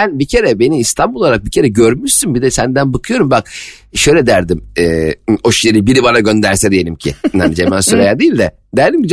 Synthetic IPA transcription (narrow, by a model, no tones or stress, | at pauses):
ænbicʰe̞ɾɛbe̞niːst̪ʰanbulˠaɾak̚bicʰe̞ɾɛɟøɾmyʃsymbid̪ɛsænd̪ænbakʰɯjo̞ɾumbak̚ | ʃø̞jlʲɛd̪æɾd̪imɛːoʃjeɾibiɾibanaɟø̞nd̪æɾsɛd̪ijelʲimcʰɪ̰hanid͡ʒemænsoɾejad̪ijilʲd̪ɛ | d̪æɾd̪imid͡ʒ